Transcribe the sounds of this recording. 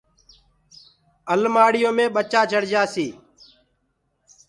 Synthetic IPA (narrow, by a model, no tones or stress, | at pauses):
əlmaːɽɪjõːmẽːɓət͡ʃaːt͡ʃəɽd͡ʒaːsiː